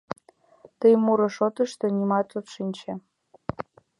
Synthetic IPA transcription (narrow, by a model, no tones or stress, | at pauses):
t̪əjmuɾɤ̆ʃot̪ə̆ʃt̪ɤ̆nʲimɑt̪ot̪ʃinʲt͡ɕĕ